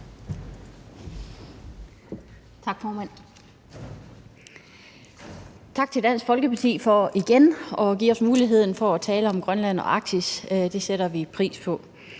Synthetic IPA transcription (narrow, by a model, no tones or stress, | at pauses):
t͡sʰɑ̈ɡ̥fɒːmæn̰ | t͡sʰɑ̈ɡ̥̚t͡sʰe̝ld̥æn̰sɡ̥fɒ̽lɡ̥əpʰɑ̈t͡sʰḭːfɒiɡ̥enɒ̽ɡ̥ḭːɒ̽smuːliɦe̝ð̞̰ˠn̩fɒ̽æt͡sʰɛːləɒ̽mɡ̥ʁɶnlæn̰ɒ̽ʔɑ̈ɡ̥̚d̥ʰisd̥e̝seɾɐʋipʰʁḭːspʰɒ̽